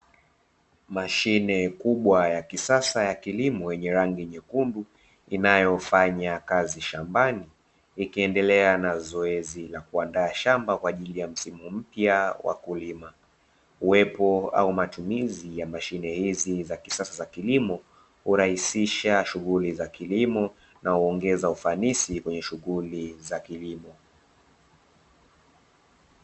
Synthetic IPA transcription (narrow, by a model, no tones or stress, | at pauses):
maʃinɛkuɓwajakisasajakilimɔjɛɲɛɾaŋɡiɲɛkunbu | inajɔfaɲakaziʃambaniː | kiɛndɛlɛanazɔɛzilakuandaːʃambakwaːʄilijam̩simum̩pjawa̰kulima | uwɛpɔa̰umatumizijamaʃinɛhizizakisasazakilimɔ | huɾahisiʃaʃuɣulizakilimɔ | nauɔŋɡɛzaufanisikwɛɲɛʃuɣulizakilimɔ